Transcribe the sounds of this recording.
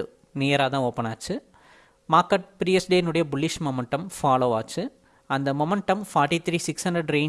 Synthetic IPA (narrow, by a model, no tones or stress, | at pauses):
ɯ | neːɾaːt̪ãːoːpːɐnaːt͡ʃːɯ | maːkːɐʈ̚pɾiːɛsɖenɯɽɐjɐbʊɭːɪʂmɔmɐɳʈɐmfaːloːaːt͡ʃːɯ | ɐnd̪ɐmɔmɛɳʈɐmfaːɾʈit̪ʰɾiːsɪksɐɳd̪ɾɐɖɾeː